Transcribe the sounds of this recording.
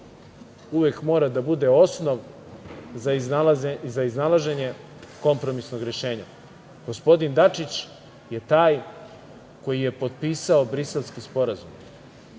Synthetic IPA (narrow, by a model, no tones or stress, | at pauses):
uʋekmo̞ːɾad̪abud̪e̞o̞sno̞ʋ | zaiznalaʒe̞ɲe̞ | ko̞mpɾo̞misno̞ɡɾeʃe̞ːɲa | ɡ̥o̞spo̞d̪ind̪at͡ʂit͡ɕ | je̞t̪aːj | ko̞jije̞po̞d̪̚piːsaobɾise̞lˠskispo̞ɾazum